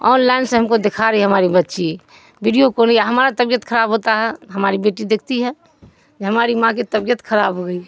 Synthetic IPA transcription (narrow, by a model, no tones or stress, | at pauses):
ɔːnlaɪnsẽɦəmkod̪ekʰaɾəɦiɦəmaːɾibətːʃi | biɖijokoːniaɦəmaːɾat̪əbjət̪kʰəɾaːbɦot̪aɦɛɦəmaːɾibeːʈid̪eːkʰt̪iɦɛ | d͡ʒeɦəmaːɾimãket̪əbjət̪kʰəɾaːbɦoɡəi